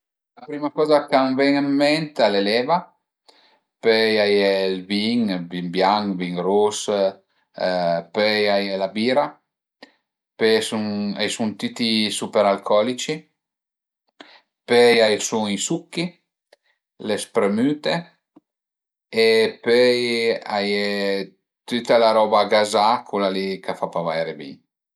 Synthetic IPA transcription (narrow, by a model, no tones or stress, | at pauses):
lapɾimakɔːzakaɱvɛŋamːɛnt̪alelɛva | pøjajɛlviŋbimbjaŋkviŋɾus | pøjajɛlabiːɾa | pesuŋajsunt̪it̪isupeɾalkʰɔlit͡ʃi | pøjajsuŋisukːi | lespɾemyːt̪e | epøjaje | t̪yt̪alaɾɔbaɡazakʰulalikafapavajɾebḭŋ